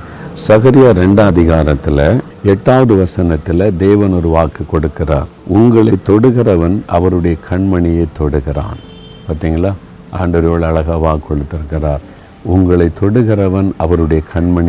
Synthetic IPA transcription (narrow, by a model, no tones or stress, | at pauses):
sɐɣɐɾɪjɐɾɛɳɖaːðɪɣaːɾɐt̪ːɪlɐ | ɛʈːaːʋɐðɯʋɐsɐnɐt̪ːɪlɐd̪eːʋɐnɔɾɯʋaːkɯkːɔɽɯkːɪra̰ːɾʊŋɡɐɭɐɪt̪ːɔɽɯɣɪrɐʋɐnʔɐ̰ʋɐɾɯɽɐjɐkʰɐɳmɐɳɪjɐɪt̪ːɔɽɯɣɪra̰ːn | paːɾt̪iːŋɡɐɭːaː | ʔaːɳɖɐɾɐjoːɭɐɭɐɣɐːʋaːkʰːɔɭɯt̪ːɪɾɯkːɪɾaːɾ | ʊŋɡɐɭɐɪt̪ːɔɽɯɣɪrɐʋɐnɐʋɐɾɯɽɐjɐkʰɐɳmɐɳɪ